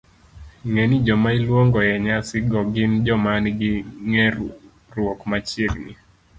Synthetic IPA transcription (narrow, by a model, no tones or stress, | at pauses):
ŋɛnid͡ʒɔmailwoŋɡɔjɛɲasɪɡɔɡɪnd͡ʒɔmanɡɪŋɛ | ɾwokmat͡ʃjeɡni